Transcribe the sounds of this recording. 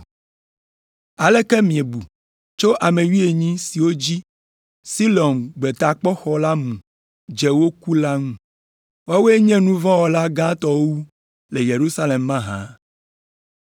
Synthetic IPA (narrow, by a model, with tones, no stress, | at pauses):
a˨lɛ˦kɛ˦mĩ˨e˨bu˨ | t͡ʃo˦ʔa˨mẽ˨wi˦e˨ɲĩ˦si˨wo˦d͡ʑi˦ | si˦lɔ˨nɡ͡bɛ˨t̪a˨k͡pɔ˦xɔ˦la˦mũ˨ | d͡ʒɛ˨wo˦ku˦la˦ŋũ˦ | wa˦we˦ɲɛ̃˦nũ˦vɔ̃˦wɔ˨la˦ɡã˦t̪ɔ˦wwu˦ | le˨je˨ɾu˦sa˦le˨mːã˦ɦã̰˨˦